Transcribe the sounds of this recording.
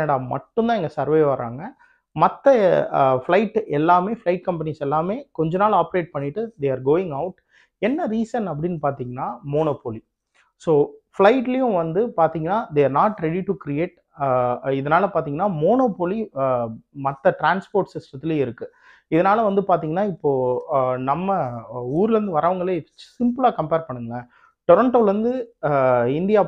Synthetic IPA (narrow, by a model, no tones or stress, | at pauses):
ɐɽaːmɐ̰ʈːɯnd̪ãːɛŋɡɐsɐɾʋeːʋɐɾa̰ːŋɡɐ | mɐt̪ːɐflɐɪʈːɛlːaːmeːflɐɪʈ̚kɐmpɐnisɛlːaːmeːkɔɲd͡ʒɐnaːlaːpɐɾeːʈ̚pɐɳːɪʈːɯd̪eaːɾɡoːɪ̃ŋɡɐʊʈ | ɛnːɐɾiːsɐnɐp̬ːɐɽɪnːpaːɾt̪iːŋɡɐnːaːmoːnoːpoːli | soːflɐɪʈːɪlɐjʊ̃ʋɐnd̪ɯpaːɾt̪iːŋɡɐnːaːd̪eɐɾnaːʈɾɛɽiʈukɾieːʈ | ɪðɐnaːlɐpaːɾt̪iːŋɡɐnːaːmoːnoːpoli | mɐt̪ːɐʈɾaːnspoːɾʈsɪsʈɐt̪ːɪleɪɾɯkːɯ | ɪðɐnaːlɐʋɐnd̪ɯpaːɾt̪iːŋɡɐnːaːɪpːoːnɐmːɐuːɾɯlɾɯnd̪ɯʋɐɾʔaːʋɐŋɡɐɭesɪmpɯlaːkɐmpeːɾpɐɳːɯŋɡɐ | ʈɔɾɐɳʈoːlɾɯnd̪ɯ | ɪnd̪ɪjaː